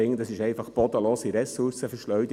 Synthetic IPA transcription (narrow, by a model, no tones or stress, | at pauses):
ɪŋːəd̪ɑsɪʃɛɪfɑχb̥ɔd̪əloːsiɾɛsuɾsəfəʃlœɥd̪